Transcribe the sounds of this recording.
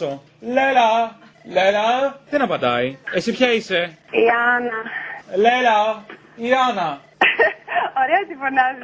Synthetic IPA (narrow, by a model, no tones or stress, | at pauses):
o | lelɐ | lelɐðenɐpɐnd̪ɐ̰iesipçɐiseiɐnɐlelɐ | iɐnɐ | oɾeɐt̪ifonɐz